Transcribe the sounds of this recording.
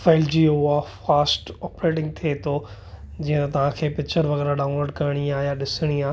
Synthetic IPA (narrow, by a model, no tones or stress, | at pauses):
faːɪld͡ʑiːoʊafaːsʈɔːpɾeːʈ̬ɪ̃ŋɡ̚t̪ʰiet̪ʰoː | d͡ʑĩːə̃t̪ɐt̪ɐʋ̤ãkʰeːpɪk̚t͡ɕəɾʋɐɣɛːɾaɗaːʊ̃nloːɾɖkɐɾɽ̃iaːɦijaɗɪsɪɽ̃iaː